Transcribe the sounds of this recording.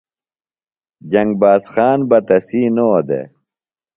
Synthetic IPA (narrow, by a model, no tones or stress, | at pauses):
d͡ʑɐŋɡ̚baːsxaːnbɐt̪ɐsiːnod̪ḛ